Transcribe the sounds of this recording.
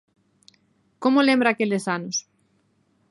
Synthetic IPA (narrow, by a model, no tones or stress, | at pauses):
komolẽmbɾakelesanos